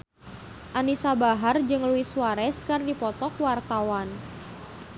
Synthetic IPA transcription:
ʔanisabaɦard͡ʒɨŋluisuwaɾɛskərdipɔt̪ɔk̚wart̪awan

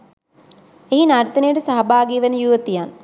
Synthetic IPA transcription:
eɦinaɾt̪ɐnijəʈəsaɦɐbʱaːɡijʋenəjuːʋət̪ijan

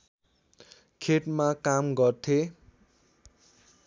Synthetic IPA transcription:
kʰeʈmakamɡʌrt̪ʰe

